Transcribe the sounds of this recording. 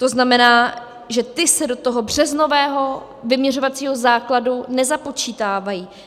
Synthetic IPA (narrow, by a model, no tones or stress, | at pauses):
t̪o̞znamɛnaː | ʒɛt̪ɪsɛdo̞t̪o̞ɦo̞br̝̥ɛzno̞vɛːɦo̞ | vɪmɲɛr̝o̞vat͡siːɦo̞zaːkladunɛzapo̞t͡ʃiːt̪aːvajiː